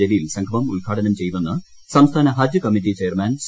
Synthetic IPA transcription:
elijilsɐŋɡʰɐmɐmṵlɡʱaːʈɐnɐmt͡ɕe̞jnunːɨ | sɐmst̪ʰaːnɐɦɐd͡ʑjɐkɐmiʈ̬ːit͡ɕejɐrmaːns

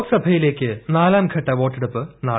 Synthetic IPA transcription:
ksɐbʱɐjile̞ːkːɨnaːlaːmkʰɐʈːɐʋo̞ːʈːeɽupːɨna̰ː

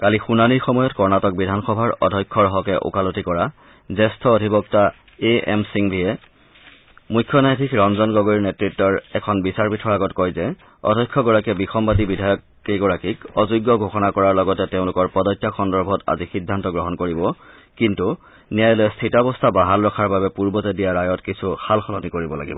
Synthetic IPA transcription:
kalixunaniɹxɔmɔjɔtkɔɹnatɔk̚bidʱanxɔbʱaɹɔ̰dʱɔjkʰːɔɹɔɦɔkɛʔṵkalotikɔɹa | zɛstʰɔodʱibɔk̚ta | eɛ̰msiŋbʱijɛ | mujkʰːjɔnajtʰikɹɔnzɔnɡɔɡoɹiɹnetɹitːɔɹɛkʰɔnbisaɹpitʰɔɹaɡɔtkɔjzɛ | ɔ̰dʱɔjkʰːɔɡɔɹakɛbixʰɔmbatibidʱajɔkː | iɡɔɹakikɔzuɡːɔɡʱoxɔnakɔɹaɹlɔɡɔtɛteʊ̃lʊkɔɹpɔdɔjtːaxɔndɔɹbʱɔta̰zixidʱːantɔɡɹɔɦɔnkoɹibɔ | kintu | nijajloɛstʰitɔbɔstʰabaɦalɹɔkʰaɹbabɛpuɹbɔtɛdijaɹajɔtkisʰuxʰalxɔlɔnikoɹibɔla̰ɡḭbɔ

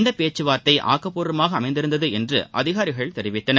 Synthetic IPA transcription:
nd̪ɐpeːt͡ʃːɯʋaːɾt̪ɐɪʔa̰ːkːɐpːuːɾɐmaːɣɐɐmɐɪnd̪ɪɾɯnd̪ɐðɯɛndrɯ̰ʔɐ̰ðɪɣaːɾɪɣɐɭt̪ɛɾɪʋɪt̪ːɐnɐ

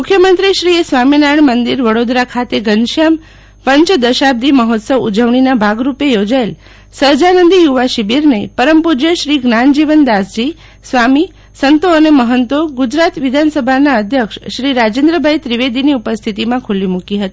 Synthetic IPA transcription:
mʊkʰjəmənt̪ɾiʃɾiesʋaminajəɳmənd̪iɾʋəɽod̪ɾakʰat̪eɡənʃam | pəɲt͡ʃd̪əʃab̚d̪iməɦɔt̪səʋud͡ʒəʋɳ̃inabʱaɡɾupejod͡ʒael | səɾd͡ʒanənd̪ijuʋaʃibiɾnepəɾəmpud͡ʒjəʃɾiɡnand͡ʒiʋənd̪asd͡ʒi | sʋami | sənt̪oəneməɦənt̪oɡud͡ʒɾat̪ʋid̪ʱansəbʱanaəd̪ʱjəkʃʃɾiɾad͡ʒẽnd̪ɾəbʱajt̪ɾiʋed̪iniupəst̪ʰit̪imãkʰulimukiɦət̪i̥

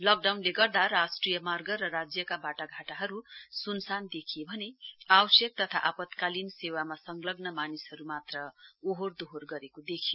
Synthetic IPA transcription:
lʌk̚ɖawnleɡʌrd̪aɾasʈrijʌmarɡʌɾʌɾad͡zjʌkabaʈaɡʱaʈaɦʌɾusunsand̪ekʰijebʱʌneawʌsjʌk̚t̪ʌt̪ʰaʔapʌt̪kalinsewamasʌŋɡlʌɡnʌmanishʌɾumat̪rʌoɦord̪oɦorɡʌɾekod̪ekʰijo

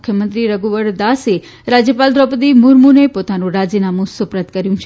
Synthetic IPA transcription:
kʰjəmənt̪ɾiɾəɡuʋəɽd̪ase | ɾad͡ʒjəpald̪ɾɔpət̪imuɾmunepot̪anũɾad͡ʒinamũsopɾət̪kəɾjũt͡ʃʰe

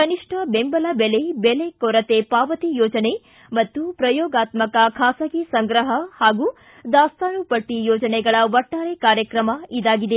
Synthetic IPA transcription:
kɐniʂʈʰɐbembɐlɐbelebelekɔɾɐt̪epaːʋɐt̪ijɔːd͡ʒɐne | mɐt̪ːupɾɐjɔːɡaːt̪mɐkɐkʰaːsɐɡisɐŋɡɾɐɦɐhaːɡu | d̪aːst̪aːnupɐʈ̪ijɔːd͡ʒɐnɛɡɐɭɐʋɐʈːaːɾekaːɾjɐkɾɐmɐid̪aːɡid̪e

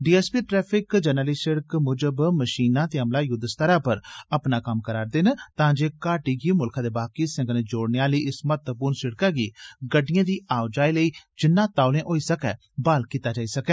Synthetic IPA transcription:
ɖiːɛːspiːʈɾɛːpʰɪkd͡ʒənəliːsəɽəkmʊd͡ʒəbməʃiːnãːt̪eːɦəmlaːjʊd̪st̪əɾaːpəɾəpnaːkəmkəɾaːɾd̪eːnt̪ãːd͡ʒeːkaːʈiːɡiːmʊlkʰãːd̪eːbaːkiːsə̃ŋɡnẽːd͡ʒoːɽneaːləiːɪsmət̪əpʊːɾnsɪɽkaːɡiːɡəɖːɪjãːd̪iːaːʊd͡ʒaːiːləiːd͡ʒɪnːãːt̪aːʊlẽːʔoːiːsəkɛː | baːlkiːt̪aːd͡ʒaːiːsəkɛː

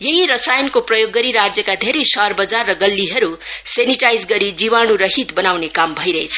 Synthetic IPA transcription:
jeɦiɾʌsajnkoprʌjoɡːʌɾiɾad͡zjʌkad̪ʱeɾʌjsʌrbʌd͡zarːʌɡʌlːiɦʌɾuseniʈajd͡zɡʌɾid͡ziβañuɾʌɦit̪bʌnawnekambʱʌjɾʌɦet͡sʰʌ̥

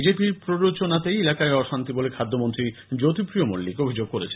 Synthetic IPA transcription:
id͡ʑepiɾpɾoɾot͡ɕonat̪ejelakaeɔʃant̪ibolekʰad̪ʱːomont̪ɾid͡ʑot̪ipɾiomolːikobʱid͡ʑoɡ̚koɾet͡ɕʰen

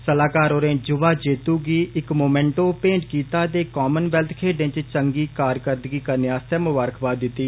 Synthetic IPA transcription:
səlaːkaːɾoːɾẽːd͡ʒʊʋaːd͡ʒeːt̪uːɡiːɪkmoːmɛ̃ːɳʈõːpẽːɳʈkiːt̪aːd̪eːkaːmənʋɛlt̪ʰkʰeːɖɪ̃nt͡ʃt͡ʃəŋɡiːkaːɾkəɾd̪ɡiːkəɾneaːst̪ɛːmʊbaːɾəkʰbaːd̪ɪt̪ːiː

